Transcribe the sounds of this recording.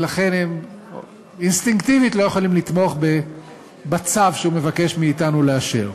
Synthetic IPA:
laχe̞nhem | inst̪iŋkt̪ivitlo̞jeχolimlit̪mo̞aχbe | bat͡savʃeume̞vake̞ʃmiːtanuleaʃeʁ

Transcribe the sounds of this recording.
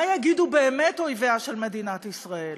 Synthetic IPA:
ajaɡidubeːmetojveaʃe̞lme̞dinatisʁael

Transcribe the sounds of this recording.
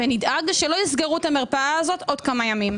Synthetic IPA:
venid̪aɡʃelo̞jisɡeʁutameʁpaaːzo̞t̪ʔo̞d̪kamajamim

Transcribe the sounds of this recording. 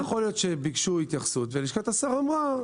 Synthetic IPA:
jaχolijo̞t̪ʃebiɡʃuit̪jaχsut̪veliʃkat̪asaʁamʁa

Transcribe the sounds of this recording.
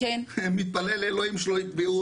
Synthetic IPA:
enmit̪̚pɐleleːloimʃloiveu

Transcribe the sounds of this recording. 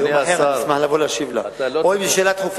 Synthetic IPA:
oħemismaħlavolaʃivla̰ojbiʃelat̪χuf

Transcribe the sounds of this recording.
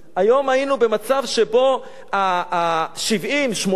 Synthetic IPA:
ajo̞mainube̞mat͡savʃe̞bo̞ | a | ʃivimʃmo

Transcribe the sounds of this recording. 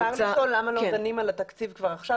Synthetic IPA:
aʁlaolːamalodanimalat̪akt͡sivkvaʁaχʃa

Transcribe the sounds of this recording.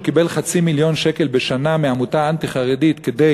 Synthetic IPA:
kibe̞lχat͡similjo̞nʃeke̞lbeʃanameamut̪aant̪iχaʁedit̪ked̪e

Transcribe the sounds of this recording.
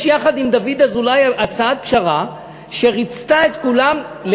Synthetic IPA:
ʃjaχad̪imd̪avid̪azulajʔat͡saat̪̚pʃaʁa | ʃeʁit͡st̪aet̪kulam | l

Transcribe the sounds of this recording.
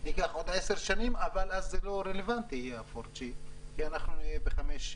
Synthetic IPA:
niɡaχo̞d̪eseʁʃanimavalazːelo̞ɾelevant̪iijeafoɾt͡ʃikianaχnunijebeχameʃ

